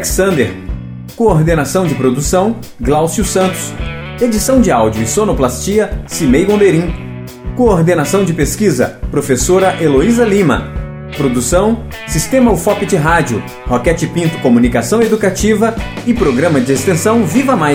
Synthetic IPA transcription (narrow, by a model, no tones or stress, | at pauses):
ksɐ̃nd̪eɾ | koːɾd̪enasɐ̃w̃d͡ʒɪpɾod̪usɐ̃w̃ | ɡlawsiʊsɐ̃nt̪ʊ̥s | ed͡ʒisɐ̃w̃d͡ʒɪawd͡ʒiʊɪsõnoplast͡ʃiɐsimejɡõb̪eɾĩ | koːɾd̪enasɐ̃w̃d͡ʒɪpeskizɐ̰pɾofesoɾɐʔeloizɐlĩmɐ̰ | pɾod̪usɐ̃w̃ | sist̪ẽmɐufɔpɪt͡ʃɪɦad͡ʒjʊ | hokɛt͡ʃɪpĩnt̪ʊ̥komunikasɐ̃w̃ed̪ukat͡ʃivɐɪpɾoɡɾɐ̃mɐd͡ʒɪest̪ẽsɐ̃w̃vivɐmaj